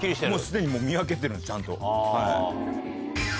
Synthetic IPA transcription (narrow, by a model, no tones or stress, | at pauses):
iɾiemoːsɨd̪e̞ɲ̟imo̞ːmʲiak̬e̞t̪̬eɾɯ̟nd̪et͡ɕãnt̪o̞̰ha